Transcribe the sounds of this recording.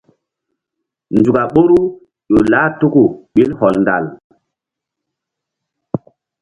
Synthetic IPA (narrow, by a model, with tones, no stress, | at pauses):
nd͡ʒu˨ka˨ɓo˦ɾu˦ | jo˨laː˦tu˦ku˨ɓi˦lhɔ˨lnda̰˨l